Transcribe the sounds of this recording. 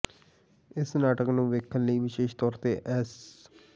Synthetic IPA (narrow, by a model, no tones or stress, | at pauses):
ɪsnaːʈəknũːʋeːkʰənləiːʋɪʃeːʃt̪ɔːɾt̪eːʔɛːs